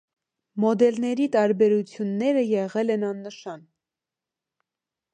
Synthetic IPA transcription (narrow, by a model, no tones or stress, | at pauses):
mɔd̪ɛlnɛɾit̪ɑɾbɛɾut͡sʰjunːɛɾəjɛʁɛlɛnɑnːəʃɑn